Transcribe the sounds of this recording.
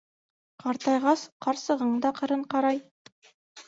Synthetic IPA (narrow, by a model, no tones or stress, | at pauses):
qɑɾt̪ɑjʁɑsqɑɾsɤ̆ʁɤ̆ɴd̪ɑqɤ̆ɾɤɴqɑɾɑj